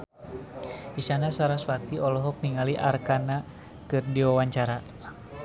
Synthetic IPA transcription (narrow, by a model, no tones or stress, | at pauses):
isanasaɾaswat̪iɔlɔɦɔk̚niŋaliʔarkana | kɨrdiwawaɲt͡ʃaɾa